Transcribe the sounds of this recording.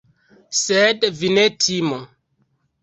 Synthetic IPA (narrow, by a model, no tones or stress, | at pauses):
sedvinetʰimo